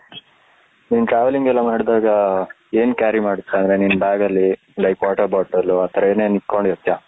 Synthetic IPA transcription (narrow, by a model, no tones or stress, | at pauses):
niːnʈɾaːʋɐliŋɡɛlːɐmaːɽd̪aːɡɐ | eːnkʲaːɾimaːɽut̪ːaɐnd̪ɐɾeninːbaːɡɐlːi | ɖɐjkaːʈɐɾbaːʈːɐlːuat̪ʰɐɾɐeːneːniʈko̞ɳɖiɾot̪ːjaː